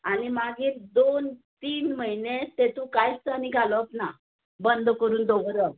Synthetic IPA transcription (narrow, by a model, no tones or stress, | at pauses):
animaɡiːɾd̪ont̪iːnməɦinet̪et̪ũkajst̪aniɡʱalɔapna | bənd̪ʱkəɾuːnd̪oʋɾə